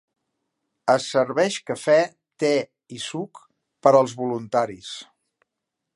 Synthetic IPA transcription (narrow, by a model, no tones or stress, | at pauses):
əsəɾβɛʃkəfɛ | t̪ɛ | isuk | pəɾəlˠzβulunt̪aɾis